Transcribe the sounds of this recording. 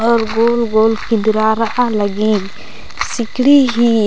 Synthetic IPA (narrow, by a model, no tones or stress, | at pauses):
ɔɾɡolɡolkind̪ɾaɾaʔaləɡi | sikɽiɦi